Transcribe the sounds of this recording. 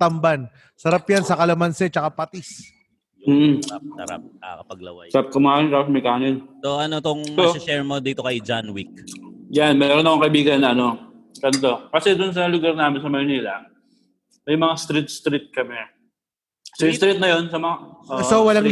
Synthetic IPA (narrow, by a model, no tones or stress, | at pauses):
t̪ɐmban | sɐɾapjansɐkɐlɐmɐnsɛt͡ʃɐkapat̪is | m̩ːʔ̩sɐ̰ɾa̰p̚ɐkɐpɐɡ̚lɐ̰wa̰jɾap̚kɐmanɪnt̪aːpos̬mɐjkaːnɪnsoʔɐnot̪oŋmoɪʃɛɹmod̪iːt̪o̞kɐjd͡ʒanwik̚janmɛːɾonɐkoŋkɐʔɪbiːɡɐnːɐʔɐnokɐnt̪lokɐsɛd̪ʊns̬ɐlʊɡaɾnaːmɪnsɐmɐɾnilɐ | mɐjmɐŋast̪ɾit̪̚st̪ɾɪt̪̚kɐmɛ | sst̪ɾɪt̪̚nɐjonsɐmɐŋaʔoːowɐlaŋ